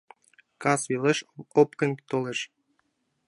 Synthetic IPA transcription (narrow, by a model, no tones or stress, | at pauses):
kɑswileʃopkɤ̆nt̪oleʃ